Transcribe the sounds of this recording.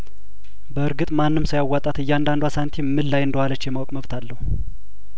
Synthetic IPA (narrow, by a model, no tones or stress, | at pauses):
bəɨɾɡɨt̪ʼmanːɨmsajawːat̪ʼat̪ɨjːand̪and̪asant̪ʰimːɨlːajɨnd̪əhalət͡ʃːjɛmawɔkʼməβt̪ʰalːəhu